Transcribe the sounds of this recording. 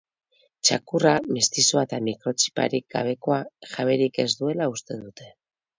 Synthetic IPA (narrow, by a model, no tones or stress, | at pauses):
t͡ʃakuramist̪isoat̪amikɾo̞t͡ʃi̥pa̰ɾik̚ɡa̰β̞e̞ko̞aʝaβe̞ɾike̞zd̪ue̞laust̪e̞nd̪ut̪e̞